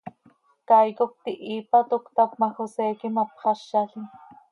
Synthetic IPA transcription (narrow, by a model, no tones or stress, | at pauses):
kɑjkok̚t̪iʔiːpɑt̪okt̪ɑp̚mɑxosɛːkimɑpχɑʃːɑɬin